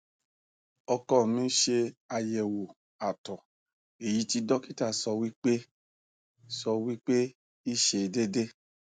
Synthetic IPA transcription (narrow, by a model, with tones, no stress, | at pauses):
ɔ˧kɔ˦˨mĩ˨˦ʃe˧a˧jɛ˨wo˨ | a˨tɔ˨ | e˨ji˨˦ti˧dɔ˦ki˦ta˦˨sɔ˧wi˦k͡pe˦ | sɔ˧wi˦k͡pe˦ | i˦ʃe˧˨de˦de˦